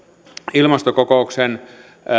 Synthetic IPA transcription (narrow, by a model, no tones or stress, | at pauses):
ilmɑst̪okokouksen